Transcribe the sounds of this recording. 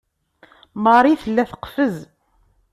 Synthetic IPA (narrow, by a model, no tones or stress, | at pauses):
məɾˤiθəlːæθə̥qfəz